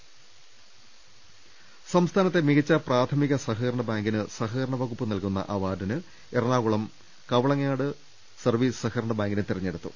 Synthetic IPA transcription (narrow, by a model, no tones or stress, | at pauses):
sɐmst̪ʰaːnɐt̪ːe̞miɣɐt͡ɕːɐpraːt̪ʰɐmiɣɐsɐɦɨːɾɳɐbaːŋɡinɨsɐɦɨːɾɐɳɐʋɐɣupːɨnɐlkun̪ːɐ̰ʔɐʋaːdɐnɨ | erɳaːɣuɭɐm | kɐʋɐɭɐŋːaːɽɨ | sɐrʋiːsɨ̥sɐxɐɾɐɳɐbaːŋɡinɨt̪irɐɲːeɽut̪ːṵ